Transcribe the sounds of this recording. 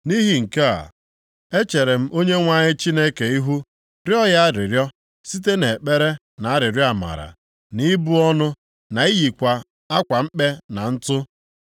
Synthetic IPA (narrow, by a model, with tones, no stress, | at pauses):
ni˦ɦi˨ŋ̩˨ke˦a̰˨ | e˦t͡ʃe˨ɾe˨m̩˦ʔo˦ɲe˦ŋʷa˦ɲɪ˦t͡ʃi˦ne˦ke˨i˦ɦu˦ | ɾjɔ˦ja˦ɾɪ˨ɾjɔ˦ | si˦t̬e˦ne˨k͡pe˦ɾe˦ | na˨a˦ɾɪ˨ɾjɔ˦a˨ma̰˨ɾa̰˨ | ni˦bu˦ɔ˦nʊ˦ | na˨i˦ji˨kʷa˨ | a˦kʷa˨m̩˦k͡pe˦na˨n̩˦tʊ˦